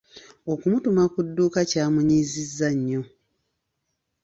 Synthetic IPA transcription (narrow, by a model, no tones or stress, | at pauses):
o̞kumutumakudːuːkacaːmuɲiːzizːaɲːo̞